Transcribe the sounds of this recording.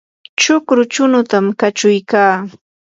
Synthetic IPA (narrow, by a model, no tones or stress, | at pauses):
t͡ʃʊkɾʊt͡ʃʊnʊt̪amkat͡ʃʊjkaː